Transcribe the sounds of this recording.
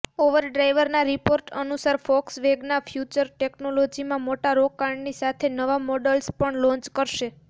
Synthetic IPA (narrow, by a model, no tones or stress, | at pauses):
oʋəɾɖɾajʋəɾnaɾipoɾʈənusaɾfɔksʋeɡnafʰjut͡ʃəɾʈeknolod͡ʒimãmoʈaɾokːaɳɖnisat̪ʰenəʋamɔɖəlspəɳlɔ̃ɲt͡ʃkəɾʃe